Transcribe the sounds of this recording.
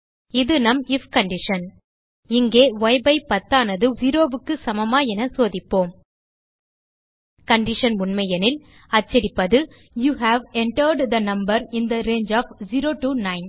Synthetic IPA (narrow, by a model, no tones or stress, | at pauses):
ɪðɯnɐmɪfkɐɳɖɪʂɐn | ɪŋɡeːʋɔɪbɐɪpɐt̪ːaːnɐðɯziːɾoːʋɯkːɯsɐmɐmaːɛnɐsoːðɪpːoːm | kɐɳɖɪʂɐnʊɳmɐjɐnɪl | ɐt͡ʃːɪɾɪpːɐðɯ | juːɦæʋɛɳʈɐɾɖd̪ɐnɐmbɐɾɪnd̪ɐɾeːnd͡ʒaːfziːɾoːʈuːnɐɪn